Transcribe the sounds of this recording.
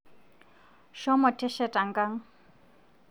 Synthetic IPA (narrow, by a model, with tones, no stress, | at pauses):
ʃɔ˦mɔ˨tʰʼɛ˦ʃɛ˨tʼa˨ŋɡʼa˦ŋ˦